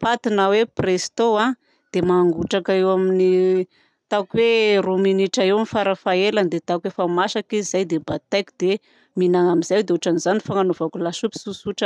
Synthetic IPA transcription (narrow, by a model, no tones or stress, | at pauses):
pat̪inaweprest̪oa | d̪̥emaŋɡuʈ͡ʂakaewamini | t̪aukweruminiʈ͡ʂaewamifaɾafaeland̪et̪aukwefamaʃakiizajd̪ebat̪ajki̥d̪̥e | minaŋamiz̥ajd̪eoʈ͡ʂanizanifaŋanovakulasupi̥susuʈ͡ʂə